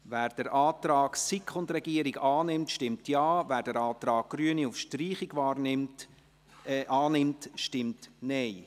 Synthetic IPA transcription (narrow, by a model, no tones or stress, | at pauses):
væːɾd̥əɾʔɑːtɾɑːɡ̥sikχʊndɾɛɡ̥iəɾiɡɑːnɪmtʃtɪmtjɑːvæːɾdəɾɑːt̪ɾɑːɡ̚ɡ̥ryəniufʃtriːχɪɡvɑːɾnɪmt | ʔɑːnɪmtʃtɪmtnɛɪ